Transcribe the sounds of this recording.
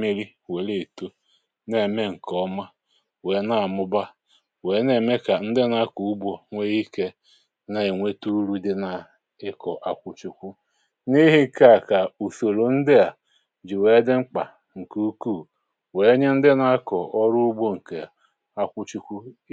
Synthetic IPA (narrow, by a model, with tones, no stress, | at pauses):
mi˦ɾi˦ | we˨le˨to˦ | ne˨me˦ŋ̩˨kɔ˦ma˦ | we˨˦na˦˨a˨mʊ˦ba˦ | we˨˦ne˨me˦ka˨n̩˦dɪ˦na˦ku˨u˦bo˨ŋʷe˦ɣi˦ke˦ | na˨e˨ŋʷe˦tu˦ɾu˦dɪ˦na˨ | ɪ˦kɔ˨ʔa˨kʷʊ˦t͡ʃu˦kʷu˦ | ni˦ɦi˦˨ka˦a˨ka˨u˨so˨ɾo˨n̩˦dɪ˦a˨ | d͡ʒi˨we˨˦e˦dɪ˦ŋ͡m̩˦k͡pa̰˨ | ŋ̩˨ku˦ku˦˨ | we˨˦ɲe˦n̩˦dɪ˦na˦a˦kɔ˨ʔɔ˦ɾʊ˦bo˦ŋ̩˨ke˨ | a˦kʷʊ˦t͡ʃu˦kʷu˦